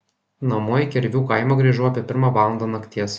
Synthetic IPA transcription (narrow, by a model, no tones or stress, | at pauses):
nɐmoːkʲɛɾʲʋʲuːkɐɪmɐɡɾʲiʒuːɐpʲiɛpʲɪɾmɑːʋɑːlˠɐnd̪ɐnɐkʲt̪ʲiɛs